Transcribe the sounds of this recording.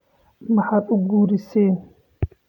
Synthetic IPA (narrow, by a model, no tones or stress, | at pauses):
maħaɗuɡuːɾiseːn